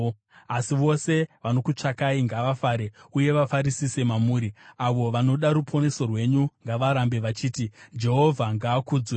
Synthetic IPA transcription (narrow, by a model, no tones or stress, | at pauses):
asiʋo̞se̞ʋano̞kut͡ʂakaiŋɡaʋafaɾe̞uje̞ʋafaɾisise̞mamuːɾiaʋo̞ʋano̞ɗaɾupʰo̞ne̞so̞rwe̞ɲuŋɡaʋaɾambe̞ʋat͡ʃiːtid͡ʒe̞ɦo̞vʱaŋɡaːkuːd͡zwe